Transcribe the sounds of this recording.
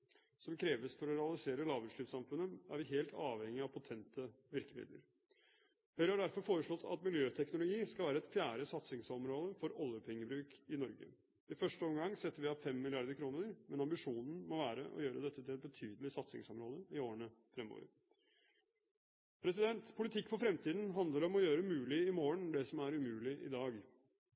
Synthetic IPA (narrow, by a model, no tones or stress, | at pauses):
sɔmkʰɾeːʋəst̪ʰɔɾɔɾɛɑlɪseːɾəlɑːʋʉʂɭyːpsɑmfʉnːəæ̰ɾʋɪɦeːlt̪ʰɑːʋhɛŋːɪɑpʰɑt̪ʰɛnt̪ə | ʋɪɾkəmɪ̰d̪lə̰ɾ | hœːɾhɑɖæɾfɔɾfoːɾəʂɭɔt̪ʰːɑ̰t̪mɪljøːt̪ʰɛknʊlʊɡiːskɑlʋæːɾəɛt̪fjæːɾəsɑt̪sɪŋsɔmɾoːd̪əfɔɾɔljəpʰɛŋːəbɾʉːkɪnɔɾɡə̰ | ɪfœʂʈəɔmɡɑŋːsɛt̪ːəɾʋɪɑfɛmːɪlɪɑɾd̪əɾkʰɾuːnəɾmɛnɑmbɪʂuːnn̩mɔʋæːɾə̰ʔɔ̰jøːɾəd̪ɛt̪ʰːət̪ʰɪlɛt̪̚bət̪ʰyːd̪əlɪsɑt̪sɪ̰ŋsɔmɾoːd̪əɪoːəɳəfɾɛmo̰ʋə̰ɾ | pʰɾɛsɪd̪ɛnt̪pʰʊlɪt̪ʰɪkːfɔɾfɾɛmt̪ʰiːd̪nɦɑnd̪ləɾɔmɔjøːɾəmʉːlɪɪmoːəɳd̪ɛsɔmæɾʉmʉːlɪʔɪ̰d̪ɑːɡ